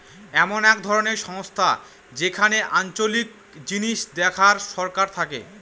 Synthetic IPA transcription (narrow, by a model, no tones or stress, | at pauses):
ɛmonɛk̚d̪ʱɔɾoneɾʃɔŋost̪ʰa | d͡ʑekʰaneʔant͡ɕolik̚ | d͡ʑiniʃd̪ɛkʰaɾʃɔɾkaɾt̪ʰakḛ